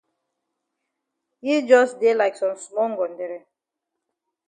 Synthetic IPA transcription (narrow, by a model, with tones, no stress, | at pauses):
hi˦d͡ʒɔ˦sde˦la˨ɪksɔ̃˨msmɔ˦ŋɡɔ̃˨ndɛ˨ɾɛ˨